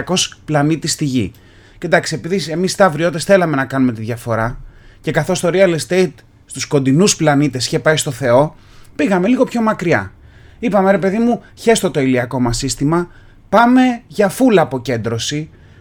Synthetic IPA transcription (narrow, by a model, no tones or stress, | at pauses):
ko̞splɐnit̪ist̪iʝḭ | cind̪ɐksie̞piðise̞mist̪ɐvɾio̞t̪esθe̞lɐme̞nɐkɐnume̞t̪iðʝɐfo̞ɾɐce̞kɐθo̞st̪o̞ɾiɐlst̪ejt̪ | st̪usko̞nd̪inusplɐnit̪e̞si̥çe̞pɐist̪o̞θe̞o̞ | piɣɐme̞liɣo̞pço̞mɐkɾiɐ̰ | ipɐme̞ɾe̞pe̞ðimu | çe̞st̪o̞t̪o̞iliɐko̞mɐsist̪imɐ | pɐme̞ʝɐfulɐːpo̞ce̞nd̪ɾo̞si